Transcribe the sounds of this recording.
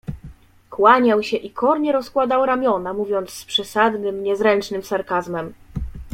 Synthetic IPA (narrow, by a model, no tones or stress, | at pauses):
kwaɲawɕɛʔikʰɔɾɲɛɾɔskwad̪awɾamʲjɔnamuvʲjɔnt̪sːpʂɛsad̪nɘmɲɛzɾɛnt͡ʂnɘmsaɾkazmɛm